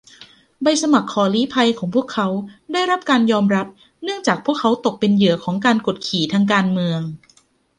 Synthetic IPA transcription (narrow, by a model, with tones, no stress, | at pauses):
ba˧jsa˧ma˨˩kʰːɔː˨˩˦liː˦˥pʰa˧jkʰɔː˩˦ŋpʰu˥˩əkʰːa˦˥wda˥˩jɾa˦˥p̚kaː˧njɔː˧mɾa˦˥p̚ | nɯ˥˩əŋt͡ɕaː˨˩k̚pʰu˥˩əkʰːa˦˥wt̪o˨˩k̚pe˧njɯ˩˦ɐkʰɔː˩˦ŋkaː˧nko˨˩t̪̚kʰiː˨˩t̪ʰaː˧ŋk̬aː˧nmɯ˧əŋ